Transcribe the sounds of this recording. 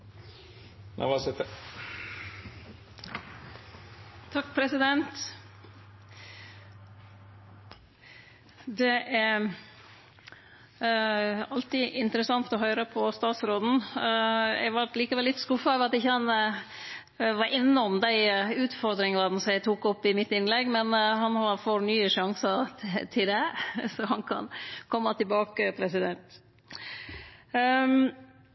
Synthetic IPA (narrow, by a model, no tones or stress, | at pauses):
nʔæ̰ʋɑsɛt̪ə | t̪ʰɑkːpʰɾɛsɪd̪ɛnt̪ | d̪ɛʔæɾ | ɑlt̪iʔɪnt̪əɾəsɑŋt̪ɔɦœʏɾəpʰɔst̪ɑːt̪sɾoːd̪n̩ | æ̰ʋɑɾʈ̪liːkəʋɛlːɪt̪skʊfːɑœʋəɾɑt̪ɪçːəhɑn | ʋɑɾʔɪnːɔmd̪æɪʉːt̪fɔɾd̪ɾɪŋɑɾd̪n̩sɔmjæɪt̪ʰuːkɔpːɪmɪt̪ːɪnlɛɡːmɛnɦɑnhɑɾfɔɾnyːəʂɑŋsəɾt̪ʰɪld̪ɛsɔɦɑnkʰɑ̰nkʰɔmːɑt̪ʰɪlbɑːkəpʰɾɛsɪd̪ɛnt̪